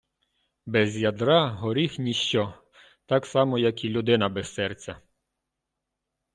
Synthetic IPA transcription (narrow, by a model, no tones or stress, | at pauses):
bɛzjɐd̪ɾɑɦɔɾʲixnʲiʃt͡ʃɔ | t̪ɑksɑmɔjɐkilʲːʊd̪ɪnɐbɛsːɛrt͡sʲɐ